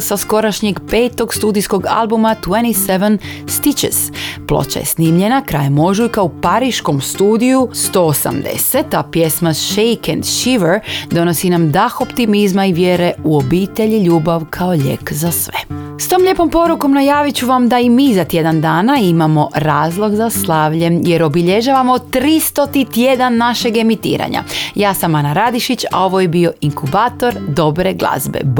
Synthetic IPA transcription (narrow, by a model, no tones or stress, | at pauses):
sasko̞ɾaʃɲeɡpe̞ːt̪o̞ɡst̪uːd̪ijsko̞ɡa̰lˠbumat̪weniseʋenst̪it͡ʃez̥plˠo̰t͡ɕa̰je̞̰sniːmʎe̞nakɾaːjmo̞ʒujkaupaɾiʃko̞mst̪uːd̪ijust̪o̞osa̰md̪ḛset̪apjesmaʃejkɛnd̪ʃiʋeɾd̪o̞no̞sinamd̪axo̞pt̪imizmaiʋjeːɾe̞uobiːt̪eʎiʎuːbaʋkʰao̞ʎḛkzasʋe̞̰ | st̪oːmʎe̞po̞mpo̞ɾuko̞mnajaːʋit͡ɕuʋamd̪aimiːzat̪je̞d̪and̪aːnaimamo̞ɾaːzlˠo̞ɡzaslˠaʋʎe̞mje̞ɾo̞biʎe̞ʒaːʋamo̞t̪ɾist̪o̞t̪it̪je̞d̪anːaʃe̞ɡe̞mit̪ḭːɾa̰ɲa̰jaːsamanaɾad̪iʃit͡ɕa̰o̞ʋo̞jebio̞iŋkubaːt̪o̞ɾd̪o̞bɾe̞ɡlˠa̰zbḛ